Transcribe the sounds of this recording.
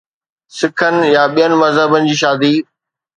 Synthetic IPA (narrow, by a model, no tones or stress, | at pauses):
sɪkʰənɪ̆jãɓijənɪ̆mɐzɦəbənɪ̆d͡ʑiːʃaːd̪iː